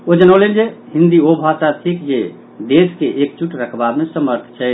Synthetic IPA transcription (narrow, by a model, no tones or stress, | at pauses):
od͡ʒənəwlend͡ʒeɦĩnd̪iobʱasat̪ʰikd͡ʒe | ɖeskeʔekt͡ʃuʈɾəkʰbamesəməɾt̪ʰt͡ʃʰɛ